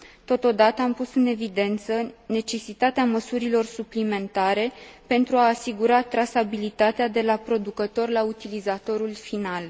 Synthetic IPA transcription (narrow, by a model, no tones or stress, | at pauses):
t̪o̞t̪o̞d̪at̪əampusɨne̞vid̪e̞nt̪səne̞t͡ʃe̞sit̪at̪eaməsuɾilo̞rsuplime̞nt̪aɾe̞pe̞nt̪ɾuaːsiɡuɾat̪ɾasabilit̪at̪ead̪e̞lapɾo̞d̪ukət̪o̞rlaut̪ilizat̪o̞ɾulfinal